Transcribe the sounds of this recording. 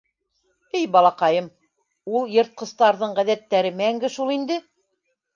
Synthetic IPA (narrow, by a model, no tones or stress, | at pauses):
ɘjbɑlˠɑqɑjɤm | ulˠjɤ̆ɾt̪̚qɤ̆st̪ɑɾðɤɴʁæðæt̪ːæɾɘmæŋɡɘʃulˠind̪ɘ